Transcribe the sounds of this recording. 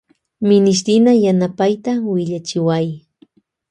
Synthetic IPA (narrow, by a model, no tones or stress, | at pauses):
mɪnɪʃ̬t̪ɪnajanapajt̪awɪʎat͡ʃɪwaj